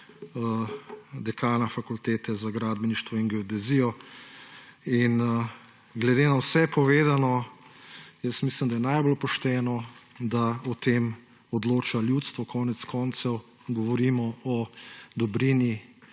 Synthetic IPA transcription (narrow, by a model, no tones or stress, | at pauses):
d̪ɛkaːnafakult̪eːt̪ɛzaɡɾaːd̪bɛniʃt̪ʋɔiŋɡɛɔd̪ɛziːjɔ | in | ɡlɛd̪eːnawsɛpɔʋeːd̪anɔ | jəsmiːslimd̪ajɛnajbɔlpɔʃt̪ɛːnɔd̪aɔt̪eːm | ɔd̪loːt͡ʃaljut̪st̪ʋɔkʰɔːnɛt̪skɔnt̪sɛw | ɡɔʋɔɾiːmɔɔd̪ɔbɾini